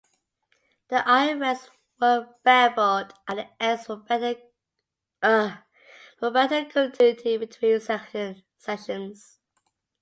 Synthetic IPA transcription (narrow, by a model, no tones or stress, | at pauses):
ðiʔaɪɹɛs | wəb̥ɛbədʔəɛsə | fəbɛtəkʰə̃ntʰʉnɪtʰibɪtʰw̥ĩːnsɛə | sɛʃə̃nz̥